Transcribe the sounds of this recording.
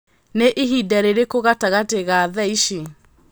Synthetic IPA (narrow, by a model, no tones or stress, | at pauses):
neʔiɦidɛɾeɾekoɣataɣateɣaðɛiʃi